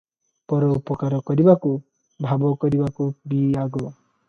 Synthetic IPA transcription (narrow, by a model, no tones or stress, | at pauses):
pɔɾɔupɔkaɾɔkɔɾibaku | bʱabɔkɔɾibakubiaɡɔ